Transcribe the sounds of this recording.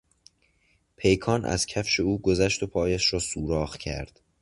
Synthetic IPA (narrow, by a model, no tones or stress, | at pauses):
pʰe̞jkʰɒːnʔæ̰z̥cʰæfʃe̞uːɡozæʃt̪o̞pʰɒːjæʃɾɒːsuːɾɒːɣcʰæ̰ɾd̪̥